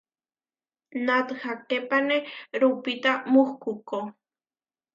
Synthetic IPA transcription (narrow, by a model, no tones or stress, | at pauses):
nat̪xakepaneɾupit̪amuxkuko